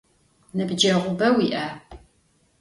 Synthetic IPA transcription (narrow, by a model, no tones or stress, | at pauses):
nɐbd͡ʒɐʁʷʊbɐwiʔa